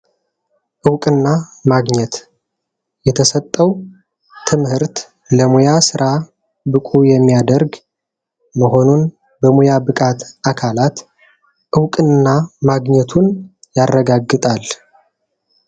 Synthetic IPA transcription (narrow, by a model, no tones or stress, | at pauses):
ʔɨwkʼɨnːamaɡɲɛt̪ | jɛt̪ʰəsət̪ʼːəw | t̪ʰɨmhɨɾt̪ | ləmojasɨɾʔa | bɨkʼujɛmːijad̪əɾɡ | məɦo̞nun | bəmojabɨkʼat̪akʰalat̪ | ʔɨwkʼɨnnːamaɡɲɛt̪ʰunjarːəɡaɡːɨt̪ʼal